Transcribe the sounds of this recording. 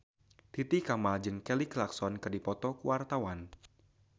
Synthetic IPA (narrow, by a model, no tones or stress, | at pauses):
t̪it̪ikamald͡ʒɨŋkɛliklaksɔnkɨrdipɔt̪ɔkuwart̪awan